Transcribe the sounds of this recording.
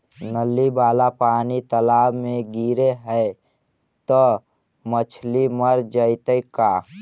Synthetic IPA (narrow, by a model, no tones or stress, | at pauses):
nəlːibaːlapaːnit̪əlaːbmẽɡiɾeɦəɪ | t̪ɔ | mət͡ʃʰliməɾd͡ʒəɪt̪əjka